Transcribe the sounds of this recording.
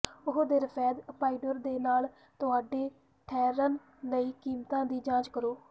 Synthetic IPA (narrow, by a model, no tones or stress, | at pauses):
ʊɦoːd̪eːɾəpʰɛːd̪paːiːɖoɾd̪eːnaːl | t̪ʊɦaːɖeː | ʈʰɛːɾənː | əiːkiːmt̪ãːd̪iːd͡ʒãːt͡ʃkəɾoː